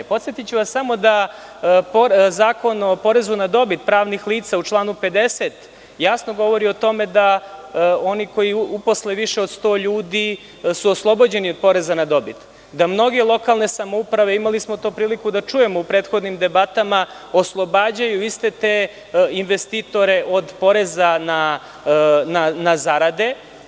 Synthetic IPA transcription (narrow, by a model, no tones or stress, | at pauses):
po̞t̪sjet̪it͡ɕuʋassamo̞d̪a | pozaːko̞nopo̞ɾe̞zunad̪o̞bit̪̚pɾaːʋnixliːt̪saut͡ʃlˠaːnupe̞d̪e̞set̪ | jasnoɡo̞ʋo̞ɾiot̪o̞me̞d̪a | o̞niko̞jiupo̞sleʋiʃeo̞d̪st̪o̞ːʎuːd̪i | suoslˠo̞bo̞d͡ʑe̞nio̞d̪̚po̞ɾe̞zanad̪o̞bit̪ | d̪amno̞ɡe̞lˠo̞kalne̞samoupɾaʋeimalismo̞t̪oːpɾiːlikud̪at͡ʃuje̞mo̞upɾe̞ːt̪xo̞d̪nimd̪e̞bat̪ama | oslˠo̞baːd͡ʑajuist̪et̪e | inʋest̪it̪o̞ɾeʔo̞d̪po̞ɾezana | nanazaɾad̪e̞